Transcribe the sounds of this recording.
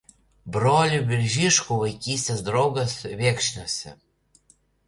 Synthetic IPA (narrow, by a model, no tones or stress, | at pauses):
bɾolʲubʲɪɾʲʒʲiʃkuʋɐɪkʲiːsʲt̪ʲesd̪ɾɔɡɐsβʲeːkʃʲnʲosʲɛ̰